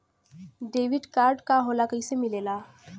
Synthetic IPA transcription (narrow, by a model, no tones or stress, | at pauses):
ɖeːʋɪɖkaːɾɖkaɦoːlakəisemɪleːlaː